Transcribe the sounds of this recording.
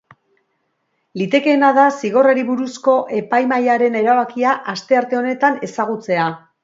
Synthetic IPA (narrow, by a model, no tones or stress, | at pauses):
lit̪e̞ke̞ːnaðasiɣo̞raɾiβuɾusko̞ʔe̞pajmajaɾe̞ne̞ɾaβakiaʔast̪e̞aɾt̪e̞o̞ne̞t̪ane̞saɣ̞ut͡se̞a